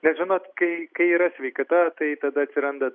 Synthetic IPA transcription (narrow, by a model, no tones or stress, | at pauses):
nʲɛʒʲɪnoːt̪kɐɪkɐɪiːɾɐsʲʋʲɛɪkɐt̪ɐt̪ɐɪt̪ɐd̪ɐɐtʲsʲɪɾɐnd̪ɐ